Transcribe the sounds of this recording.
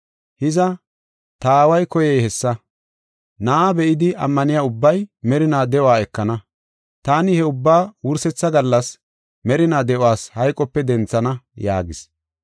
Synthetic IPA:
hɪzɐ | t̪aːwɐjkɔjɛjhɛsːɐ | naːbɛʔɪd̪ɪʔɐ̰mːɐnɪjaːʊbːɐjmɛɾɪnaːd̪ɛʔwaːɛkːɐnɐ | t̪aːnɪhɛʊbːaːwʊɾsɛt͡sːɐɡɐlːɐs | mɛɾɪnaːd̪ɛʔʊwaːshɐjkʼɔpːɛd̪ɛnt͡sːɐnɐja̰ːɡɪs

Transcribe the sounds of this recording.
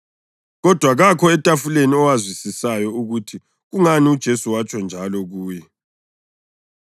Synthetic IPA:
ɣɔd̥ʱwaɣakʰɔɛtʼafuleniɔwazwisisajɔuɣutʰi | ɣuŋaniud̥ʒ̥ʱesuwat͡ʃʼɔnd͡ʒʱalɔɣuːjɛ

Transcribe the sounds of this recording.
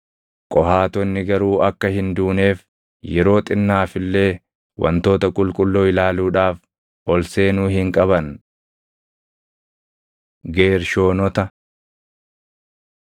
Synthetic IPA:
kʼɔhaːt̪ɔnːɪɡɐɾuːɐkːɐhɪnd̪uːne̞ːf | jɛɾo̞ːt̪ʼɪnːaːfɪlːe̞ː | wɐ̰nt̪o̞ːt̪ɐkʼʊlkʼʊlːoːɪlaːluːᶑaːf | ɔlse̞ːnʊɦɪŋkʼɐbɐn | ɡe̞ːɾʃo̞ːnɔt̪ɐ

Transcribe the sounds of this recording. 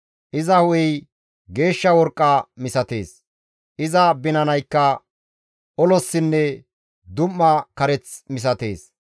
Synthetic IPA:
ʔɪzɐhʊjɛj | ɡe̞ːʃːɐwɔɾkʼːɐmɪsɐt̪e̞ːs | ʔɪzɐbɪnɐnɐjkːɐ | ɔlɔsːɪnːɛ | d̪ʊmːɐkɐɾɛt͡smɪs̬ɐt̪e̞̰ːs

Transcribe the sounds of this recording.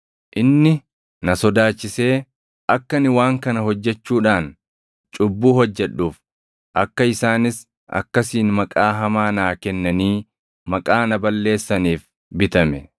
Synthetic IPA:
ʔɪnːɪ | nɐsɔd̪aːt͡ʃːɪse̞ː | ʔɐkːɐnɪwaːŋkɐnɐɦɔd͡ʒːɛt͡ʃːuːᶑaːn | t͡ʃʼʊbːuːhɔd͡ʒːɛᶑuːf | ʔɐkːɐɪsaːnɪs | ʔɐ̰kːɐsiːnmɐkʼaːɦɐmaːnaːkɛnːɐniː | mɐkʼaːnɐbɐlːe̞ːsːɐniːf | bɪt̪ɐmɛ

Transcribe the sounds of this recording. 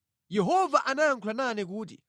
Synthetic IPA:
jɛɦɔvaʔanajaŋkʰulananɛk̬uːt̬ḭ

